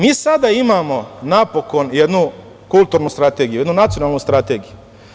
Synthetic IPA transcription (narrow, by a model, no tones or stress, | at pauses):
miːsad̪aimaːmo̞napo̞ko̞njed̪nu | kulˠt̪uːɾnust̪ɾat̪eːɡijujed̪nunat̪sionalˠnust̪ɾat̪eːɡiju